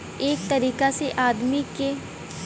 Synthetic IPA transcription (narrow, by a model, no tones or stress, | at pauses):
eːk̚t̪ɐɾiːkaseʔaːd̪mike